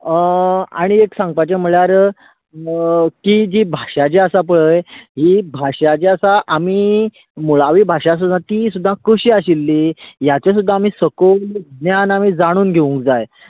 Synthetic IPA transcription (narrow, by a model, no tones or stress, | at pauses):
a̰ɽ̃ieksãŋɡ̚pat͡ɕam̤əɭjaɾ | kid͡ʑibʱaʂat͡ɕeəsapəɭəjɦiːbʱaɕat͡ɕeəsaʔamiː | muɭaʋibʱaʂas̬ud̪ʱːãt̪iːsud̪ʱːakəɕiaɕilːiːjat͡ɕas̬ud̪ʱːaːmiːsəkolɡnjanamiːd͡zaɽ̃uːnɡʱeʋũŋk̚d͡zaj